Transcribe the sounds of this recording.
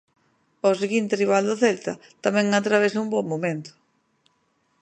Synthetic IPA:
oseɣint̪eriβald̪oθelt̪ɐt̪amɛ̃ŋat̪ɾaβesaumbɔmmõmẽnt̪ʊ̥

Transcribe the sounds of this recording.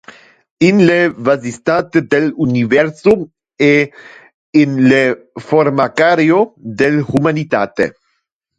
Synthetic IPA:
inlevazist̪at̪ed̪elunivɛɾso | eː | nle | foɾmakaɾjod̪elxumanit̪at̪ḛ

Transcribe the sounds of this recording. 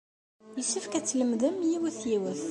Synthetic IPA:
jəʃːəfkæt͡sːləmðəmjiwəθjiwəθ

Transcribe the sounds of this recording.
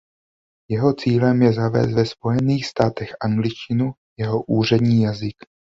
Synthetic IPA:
jɛɦo̞t͡siːlɛmjɛzavɛ̰ːst̪vɛspo̞jɛniːxst̪aːt̪ɛxʔaŋɡlɪʃcɪnu | jɛɦo̞ʔuːr̝ɛdɲiːjazɪk

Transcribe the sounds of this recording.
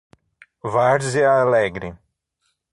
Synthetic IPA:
vaɾzɪalɛɡɾɪ

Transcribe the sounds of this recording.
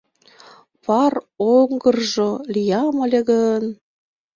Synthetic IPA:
pɑroŋɡərʒolʲijɑmə̆lʲeɣən

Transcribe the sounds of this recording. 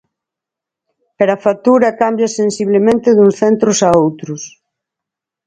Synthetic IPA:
peɾɐfat̪uɾɐkambjɐsensiβlemẽnt̪ɪðuŋsθent̪ɾʊsaowt̪ɾʊs

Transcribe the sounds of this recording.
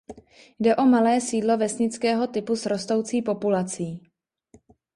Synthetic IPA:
jdɛʔo̞malɛːsiːdlo̞vɛsɲɪt͡skɛːɦo̞t̪ɪpusɾo̞st̪o̞wt͡siːpo̞pulat͡siː

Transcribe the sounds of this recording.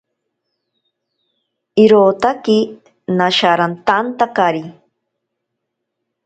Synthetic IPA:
iɾoːt̪aki | naʃaɾant̪ant̪akaɾi

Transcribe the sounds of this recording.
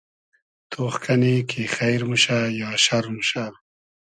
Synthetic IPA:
t̪ʰoːxkʰanikʰexajɾmuʃajɑːʃaɾmuʃa

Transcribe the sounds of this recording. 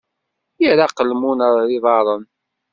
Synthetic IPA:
jiɾaqəlmunəɾˤiðˤɑɾˤən

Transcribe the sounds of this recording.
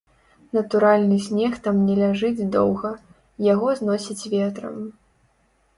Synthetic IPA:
nɐt̪uɾalʲnɨsʲnʲɛxt̪amnʲɛlʲaʐɨd͡zʲd̪ɔwɣɐ | jaɣɔznɔsʲit͡sʲvʲɛt̪ɾɐ̰m

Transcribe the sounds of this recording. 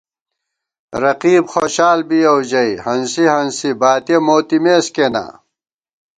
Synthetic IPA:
ɾɐqiːbxoːɕaːlbijɐwd͡ʑɐihɐnsihɐnsibaːt̪emoːt̪imeːskena̰

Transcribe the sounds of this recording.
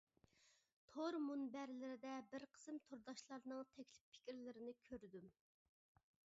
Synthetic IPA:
t̪ʰoɾmunbɛɾlɪɾɪd̪ɛbɪɾqʰə̥sɨmt̪ʰoɾd̪ɑʃlˠɑɾnɨŋt̪ʰɛkʲʰlɪpʰːɪ̥kʲiɾlɪɾɪnɪkʲʰøɾd̪ym

